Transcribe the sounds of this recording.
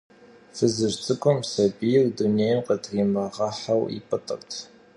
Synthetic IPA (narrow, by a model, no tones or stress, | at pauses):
fɨzɨʐt͡sʼɨkʷʼɔmsɐbijɪrduneːjmqədriːmɐʁɐħawḭpʼɨtʼə̰rtʰ